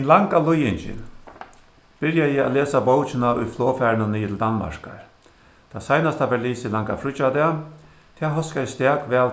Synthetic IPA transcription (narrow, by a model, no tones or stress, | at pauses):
ɛnlaŋkalʊjɪnt͡ʃɪ̰n | b̥ɪɾjajɪa̰leːsabowt͡ʃɪnaʔʊ̰jfloːfæːɾnʊniːɪt̪ʰɪld̪anːma̰ʂka̰ɹ | t̪ʰaːsajnast̪aʋɛliːsɪlaŋka̰fɾʊt͡ʃad̪ɛa | t̪ʰɛːɦɔskajɪst̪ɛːkʋɛːl